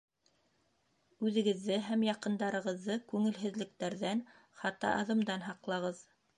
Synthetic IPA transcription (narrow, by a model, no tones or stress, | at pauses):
ʉðɘ̆ɡɘ̆ðːɘɦæmjɑqɤ̆nd̪ɑɾɤ̆ʁɤ̆ðːɤkʉŋɘ̆lɦɘ̆ðlɘ̆k̚t̪æɾðæn | χɑt̪ːɑ̰ʔɑðɤ̆md̪ɑnɦɑqlˠɑʁɤð